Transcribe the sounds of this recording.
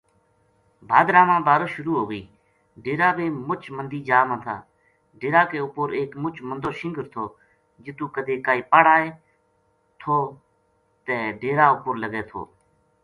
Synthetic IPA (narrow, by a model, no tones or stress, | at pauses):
bʱaːd̪ɾãːmãːbaːɾoːʃʊɾuːɦoːɡəiː | ɖeːɾaːbẽːmʊt͡ʃmənd̪iːd͡ʒaːmãːt̪ʰa̰ː | ɖeːɾaːkeːʊpʊɾeːkmʊt͡ʃmənd̪oːʃɪ̃ŋɡəɾt̪ʰoː | d͡ʒɪt̪ũːkəd̪eːkaːiːpaːɽaːeː | t̪ʰoː | t̪ẽːɖeːɾaːʊpʊɾləɡeːt̪ʰo̰ː